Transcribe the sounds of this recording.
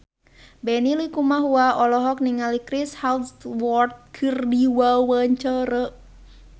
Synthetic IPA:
bɛnilikumaɦuaɔlɔɦɔk̚niŋalikɾishalswɔrt̪̚kʰɨrdiwawəɲt͡ʃəɾə

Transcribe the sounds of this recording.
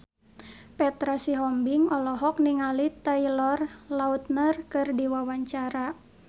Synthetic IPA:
pɛt̪ɾasiɦɔmbiŋɔlɔɦɔk̚niŋalit̪ailɔrlaut̪̚nərkɨrdiwawaɲt͡ʃaɾa

